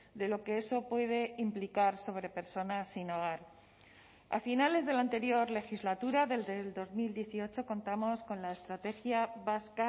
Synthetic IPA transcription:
d̪e̞lo̞ke̞e̞so̞pwe̞ð̞e̞implikaɾso̞β̞ɾe̞pe̞ɾso̞nasːinoɣaɾ | a̰finale̞zð̞e̞lant̪e̞ɾjo̞ɾle̞xizlat̪uɾaðe̞ld̪eld̪o̞zmild̪je̞θio̞t͡ʃo̞ko̞nt̪amo̞sko̞nlaest̪ɾat̪e̞xjaβaska

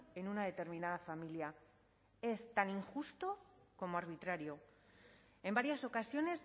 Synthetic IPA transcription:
e̞nunaðe̞t̪e̞ɾmĩnað̞afamilja | e̞st̪aniŋxust̪o̞ko̞mo̞aɾβ̞it̪ɾaɾjo̞ | e̞mbaɾjaso̞kasjo̞ne̞s

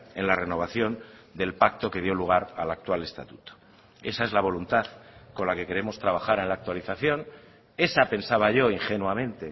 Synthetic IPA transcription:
e̞nlare̞no̞β̞aθjo̞nd̪e̞lpakt̪o̞ke̞ð̞jo̞luɣ̞aɾa̰lak̚t̪wale̞st̪at̪ut̪o̥ | e̞saezlaβ̞o̞lunt̪aðko̞nlake̞ke̞ɾe̞mo̞st̪ɾaβ̞axaɾe̞nlaːk̚t̪waliθaθjo̞n | e̞sape̞nsaβaʝo̞iŋxe̞nwamẽ̞nt̪e̞

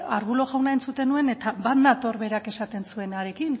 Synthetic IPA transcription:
aɾɣulo̞ɣawnaent͡sut̪e̞nue̞ne̞t̪aβat̪nat̪o̞ɾβe̞ɾake̞sat̪e̞nsue̞naɾe̞kin

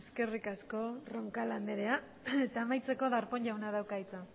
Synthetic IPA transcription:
ske̞rikasko̞ro̞ŋkaland̪eɾe̞a | et̪aːmajt͡se̞ko̞ðaɾpo̞ɲʝawnaðawkait͡sa

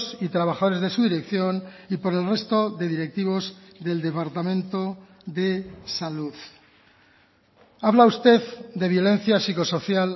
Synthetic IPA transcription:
sit̪ɾaβaxað̞oezðe̞suðiɾe̞kθjo̞nipo̞ɾe̞lre̞st̪o̞ðe̞ðiɾe̞k̚t̪iβ̞o̞zðe̞ld̪e̞paɾt̪amẽ̞nt̪o̞ | ðe̞saluð | aβlaust̪e̞ðd̪e̞βjo̞le̞n̟θjasiko̞so̞θjal

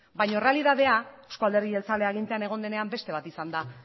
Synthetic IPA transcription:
bajɲo̞re̞aliðaðe̞aeskoald̪eɾɣielt͡saleaɣ̞int̪e̞ane̞ɣ̞o̞nd̪e̞ne̞ambe̞st̪e̞β̞at̪isand̪a

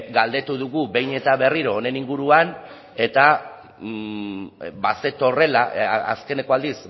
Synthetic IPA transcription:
ɡald̪e̞t̪uðuɣuβe̞jne̞t̪aβe̞riɾo̞ːne̞niŋɡuɾuan | e̞t̪a | base̞t̪ore̞laa̰ske̞ne̞ko̞ald̪is

